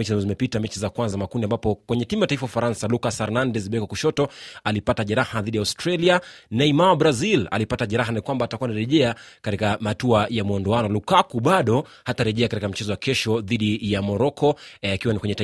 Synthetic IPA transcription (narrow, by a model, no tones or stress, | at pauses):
ɛt͡ʃizambazɔzimɛpitamɛt͡ʃizakwanzamakundiambapɔkwɛɲɛtimujataifawafaɾansalukasaɾnandɛzɓɛkwakuʃɔtɔalipataʄɛɾahaðiɗijaustɾalianaimawabɾazila̰lipataʄɛɾaɦanikwambaːtakuwanaɾɛʄɛakatikamatuajamuɔndɔanɔlukakuɓaɗɔ | hataɾɛʄɛakatikam̩t͡ʃɛzɔwakɛʃɔðiɗijamɔɾɔkʰɔakiwanikwɛɲɛta